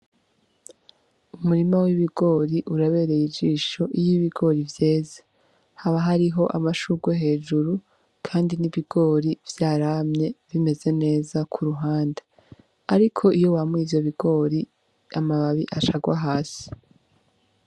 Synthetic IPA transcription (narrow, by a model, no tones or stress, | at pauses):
umuɾimawiβiɡo̞ːɾiʔuɾaβe̞ːɾe̞jid͡ʒiːʃo̞ʔijiβiɡo̞ɾivje̞ːzḁ | haβaɦaɾiɦo̞ʔamaʃuɡweɦe̞ːd͡ʒuɾu | kʰaːndiniβiɡ̥o̞ːɾivjaːɾamɲe̞βime̞ze̞ne̞ːzakʰuɾuɦaːnda | aɾikʰo̞ʔijo̞wamŋizoβiɡo̞ːɾi | amaβaβiʔaʃaɡwaɦaːsi̥